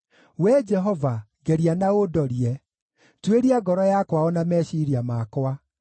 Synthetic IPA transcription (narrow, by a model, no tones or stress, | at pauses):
wɛd͡ʒɛɦɔva | ɡɛɾianaodɔɾiɛ | tweɾiaɡɔɾɔjakwaɔnamɛɕiɾiamakwa